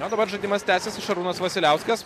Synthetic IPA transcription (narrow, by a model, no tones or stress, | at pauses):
oːd̪ɐbɐɾʒɐɪd̪ʲiːmɐst̪ʲæːsʲesɪʃɐɾuːnɐsʋɐsʲɪlʲæˑʊsʲkʲɛs